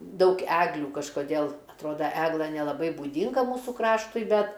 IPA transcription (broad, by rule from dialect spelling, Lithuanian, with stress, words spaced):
ˈdɐʊk ˈæːɡlʲuː kɐʃkoːˈdʲeːlˠ ɐtˈroːdɐ ˈæːɡlˠɘ nʲɛlˠɐˈbɐɪ buːˈdʲɪŋɡɐ ˈmuːsuː ˈkrɑːʃtʊɪ ˈbʲɛt